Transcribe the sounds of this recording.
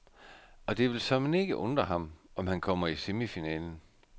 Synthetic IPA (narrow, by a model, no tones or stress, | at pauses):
ɒ̽d̥e̝ʋe̝lsɒ̽mne̝ɡ̥əʔɔ̽nd̥ʁɐɦɑ̈mɒ̽mhænkʰɒ̽m̰ɐisemifinɛ̰ːln̩